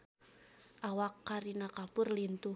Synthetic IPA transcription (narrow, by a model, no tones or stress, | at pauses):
ʔawakːaɾinakapʊrlint̪u